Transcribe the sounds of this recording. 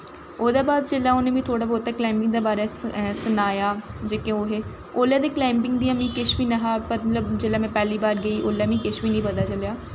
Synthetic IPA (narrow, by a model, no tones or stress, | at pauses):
oːd̪aːbaːd̪̚d͡ʒelːaːoːnẽːmĩːt̪ʰoːɽaːbɔːɛːklaːmpɪ̃ŋɡ̚d̪eːbaːɾeːsənaːjaːd͡ʒeːkẽoːɦeː | oːlaːd̪eːklãːmpɪŋɡd̪iːãːmĩːkɪʃʋiːnəɦaːpəɾmət̪ləbd͡ʒelaːmɛ̃ːpɛːliːbaːɾɡəiːʔoːlaːmĩːkɪʃʋiːnĩːpət̪aːt͡ʃəljaː